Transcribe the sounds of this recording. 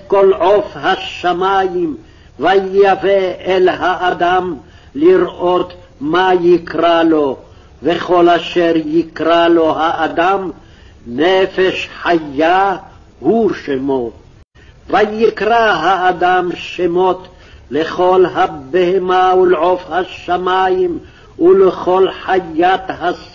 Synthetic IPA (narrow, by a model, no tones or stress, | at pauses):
kɔlʕofhaʃːamajim | vajaveʔɛlɦaʔːd̪am | liɾʔot̪ | majikɾalo | veχolaʃɛɾjikɾalo̞ɦaʔːd̪am | nɛfeʃħajːa | huʃemo | vajːikɾaɦaːd̪amʃemot̪ | leχolɦabːehemaulʕofhaʃːamajim | uleχolħajːat̪has